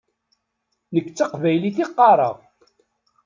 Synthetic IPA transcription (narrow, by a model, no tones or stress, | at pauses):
nəkːt͡sːɑqvæjliθiqːɑɾˤɑ̰ʁ